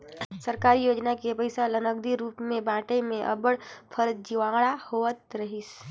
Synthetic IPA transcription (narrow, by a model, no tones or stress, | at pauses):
səɾkaːɾijoːd͡ʒnakepəɪsalənəɡ̚d̪iɾuːpmẽbãːʈemẽʔɐ̰bəɽpʰəɾd͡ʒiʋãːɡɽahoːət̪ɾɐɦɪs